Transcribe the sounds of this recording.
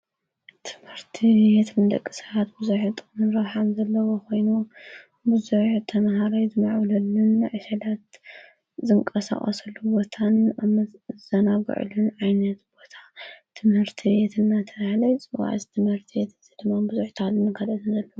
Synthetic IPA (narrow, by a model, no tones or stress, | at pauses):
t̪ʰɨ̥mhɨɾt̪ʰiet̪ʰmɨd̪ɐ̰kʼːisɐβat̪bɨzuħt̪ʼɨnɨɾoħamzɐlːɐwoko̞jnu | bɨzuħt̪ʰɐmɦaɾɐjzɨmaʕwlɐlːunːɨʕɨʃɐlat̪ | zɨŋkʼɐsa̰χʼɐ̰sɐlːubo̞t̪ʰanamɐzɐnabɨ̰ʕ̰lunʕajnɐt̪b̥o̞t̪ʰḁt̪ʰɨmhɨɾt̪ʰibet̪ʰɨnːat̪ʰɐβahlɐjt͡sʼɨwa̰ʕ̰zt̪ʰɨmhɨɾt̪ʰibet̪ɨzid̪ɨmːabɨzuħt̪ʰhalunːɨkʰɐlɐt̪ʰɨnzɐlːɐwu